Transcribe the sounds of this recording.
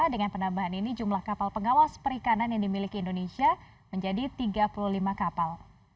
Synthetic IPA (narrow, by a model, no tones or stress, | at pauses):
adəŋanpənabaɦaninid͡ʒumlahkapalpəŋawaspəɾikananjaŋdimilikiːndonesia | məɲd͡ʒadit̪iɡapuluhlimakapal